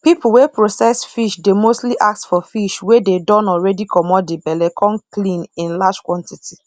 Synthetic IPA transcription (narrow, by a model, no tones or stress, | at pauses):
pipul̩wepɹosɛsfiʃdemostliʔak̚tfɔfiʃwededɔ̃nɔlɹɛdikʰɔmɔdibɛlɛkʰɔ̃nklĩnĩnlad͡ʒkwɔ̃ntitʰi